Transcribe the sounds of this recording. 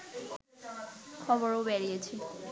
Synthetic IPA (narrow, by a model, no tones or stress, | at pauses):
kʰɔbɔɹowbɛɹiet͡ɕʰi